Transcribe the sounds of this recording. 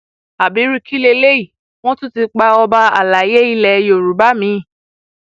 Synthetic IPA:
a˨bi˨˦ɾi˦kʰi˦le˧le˦i˦˨ | w̃ɔ̃˦tũ˦ti˧k͡pa˧ɔ˧ba˧a˨la˨˦je˦i˧lɛ˨˦jo˨ɾu˨˦ba˦mĩ˨˦˨

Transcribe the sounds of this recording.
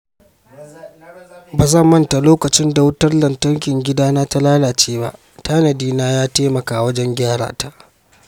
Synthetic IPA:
baː˨zɐ˦˨mːɐ˦nta˨loː˦kɐ˨t͡ʃɪ˦nda˨wʊ˦tɐ˦rlɐ˨ntɐ˦ŋkʲɪ˨ŋɡʲɪ˦daː˦naː˦ta˦laː˦laː˨t͡ʃeː˦ba̰˦ʔ | taː˦nɐ˨diː˦naː˦jaː˦teː˦mɐ˨kaː˨wɐ˦d͡ʒɛ˦ŋɡʲaː˦ɽa̰ː˨ta˦ʔ

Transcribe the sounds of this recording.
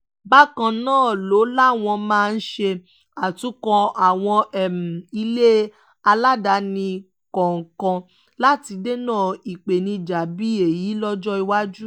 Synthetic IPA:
ba˦kã˧nãː˦˨lo˨˦la˦˨w̃ɔ̃˧mãː˦˧n̩˦ʃe˧ | a˨tũ˨˦kɔ̃˧a˨w̃ɔ̃˧ɛ˦˨m˨i˧le˦ | a˧la˦da˨˦nĩ˧ | kɔ˨ŋ̩˨kã˧ | la˦ti˧de˦nãː˦˨i˨k͡pe˨nĩ˧d͡ʒa˨bi˦e˨ji˨˦lɔ˦d͡ʒɔ˦i˧wa˦d͡ʒu˦

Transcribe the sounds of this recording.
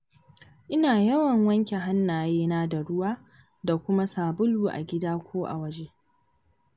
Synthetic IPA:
ʔɪ˦naː˨jɐ˦wɐ˨ŋwɐ˦ŋkʲe˨ɦa˦nːaː˨jeː˦naː˦da˨ɽʊ˦waː˦ | da˨kʷʊ˦ma˦saː˨bʊ˦luː˨ʔa̰˨ɡʲɪ˦daː˦kʷoː˦ʔa̰˨wɐ˦d͡ʒe˦

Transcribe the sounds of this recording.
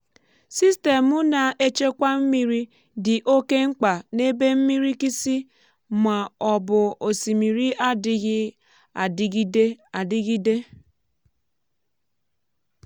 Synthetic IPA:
si˦ste˨mʊ˦na˨ʔe˦t͡ʃe˦kʷa˦m̩˦mi˦ɾi˦ | dɪ˨ʔo˦ke˦ŋ̩˦k͡pa˨ne˦be˦m̩˦mi˦ɾi˦ki˦si˦ | ma˨ɔ˨bʊ˨o˨si˨mi˨ɾi˦ʔa˦dɪ˨ɣɪ˦ | a˨dɪ˦ɡi˦de˦a˨dɪ˦ɣi˦de˦

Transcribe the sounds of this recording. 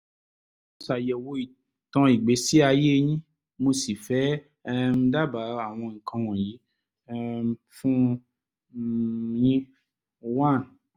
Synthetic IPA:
mo˧sa˨jɛ˨wo˧i˨ | tã˧i˨ɡ͡be˨˦si˦a˧je˦˧ɲĩ˦ | mo˧si˨fɛ˨˦ | m̩˦da˦ba˨˦a˨w̃ɔ̃˧ŋ̩˨kʰã˧w̃ɔ̃˨ji˨˦ | m | fũ˦ | jĩ˦˧ | wa˦˨n˨

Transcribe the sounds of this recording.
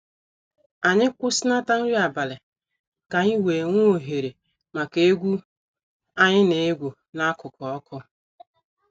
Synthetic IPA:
a˨ɲɪ˦kʷʊ˦sɪ˦na˦ta˦n̩˦ɾi˦a˨ba˨lɪ˨ | ka˨ɲɪ˦we˨ŋʷʊ˦o˨ɦe˨ɾe˨ | ma˨ke˦e˦ɡʷu˦ | a˦ɲɪ˦ne˨e˦ɡʷu˨ | na˦kʊ˨kɔ˨ɔ˦kʰɔ˦

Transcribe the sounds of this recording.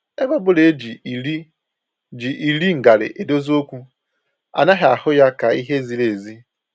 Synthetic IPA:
e˦ba˦bʊ˦le˨˦d͡ʒi˨li˦ | d͡ʒi˨ʔi˨li˦ŋ̩˨ɡa˨ɾɪ̰˨ʔe˨do˦zo˦kʷu˦ | a̰˨na˦ɦɪ˨a˨hʊ˦ja˦ka˨i˦ɦe˦zi˨le˨zi˦

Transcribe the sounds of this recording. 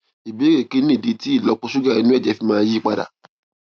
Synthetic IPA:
i˨be˨˦ɾe˦˨ke˨˦nĩ˦˨di˨˦ti˦i˦˨lɔ˨˦k͡pɔ˧su˦ɡa˦˨i˨˦nũ˦ɛ˦˨d͡ʒɛ˨˦fi˧˦mãː˦ji˦˨k͡pa˧da̰˨

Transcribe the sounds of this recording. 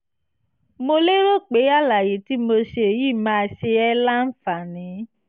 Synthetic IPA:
mo˧le˦ɾo˦˨k͡pe˨˦a˦˨la˨je˨ti˦mo˧ʃe˧e˨ji˦˨mãː˧ʃe˧ɛ˦la˦n̩˦fa˨nĩ˨˦

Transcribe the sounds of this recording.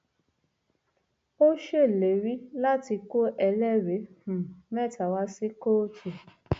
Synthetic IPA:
o˦ʃe˦˨le˨ɾi˦la˦ti˧ko˦ʔɛ˧lɛ˦˨ɾe˨˦hũ˨mɛ˦˨ta˨wa˧˦si˦ko˦tu˨

